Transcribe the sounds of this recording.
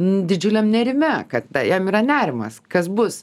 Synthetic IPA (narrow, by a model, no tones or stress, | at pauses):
nʊd̪ʲɪd͡ʒʲʊlʲɛmnʲɛɾʲɪmʲɛkɐt̪dɐjɛmiːɾɐnʲæːɾʲɪmɐ̰skɐsbʊs